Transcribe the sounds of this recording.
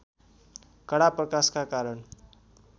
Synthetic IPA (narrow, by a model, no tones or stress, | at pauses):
kʌɽaprʌkaskakaɾəɳ